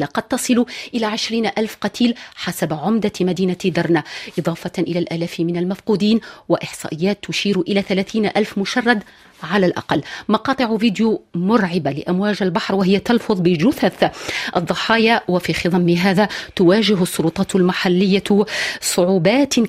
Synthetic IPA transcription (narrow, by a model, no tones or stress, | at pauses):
laqɑd̪̚t̪ɑsˤɨluʔɪlaːʕɪʃɾiːnʔalfqɑt̪ʰiːlħasabʕʊmd̪amad̪iːnad̪ɑɾˤnaʔɨd̪ˤɑːfɑʔɪlæːlʔaːlæːfmɪnalmafquːd̪iːnwaʔɪħsˤɑ̰ːʔɪjːaːt̪ːʊʃiːɾʔɪlaːθalæːθiːnʔalfmʊʃɑrˤːɑd̪ | ʕalalʔɑ̰qɑlːmɑqɑːt̪ˤɨʕviːd̪jumʊɾʕɪbalɪʔamwaːʒalbɑħɾwaɦɪjːat̪ɑlfʊðˤbɪd͡ʒʊθaθʔɑd̪ˤːɑħɑːjawafiːxiðˤɑmːɪɦaːðat̪ʊwaːʒɪɦʊsˤːʊlʊt̪ˤɑːt̪lmaħalːɪjːasˤʊʕuːbɑːt̪